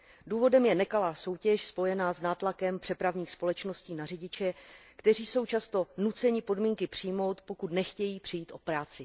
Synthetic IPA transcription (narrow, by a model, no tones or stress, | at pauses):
duːvo̞dɛmjɛnɛkalaːso̞wcɛʃspo̞jɛnaːznaːt̪lakɛmpr̥ɛpɾavɲiːxspo̞lɛt͡ʃno̞sciːnarɪɟɪt͡ʃɛkt̪ɛr̝iːso̞wt͡ʃast̪o̞nut͡sɛɲɪpo̞dmiːŋkɪpr̝̥ɪjmo̞wt̪po̞kut̪nɛxcɛjiːpr̥ɪjiːt̪ʔo̞pɾaːt͡sɪ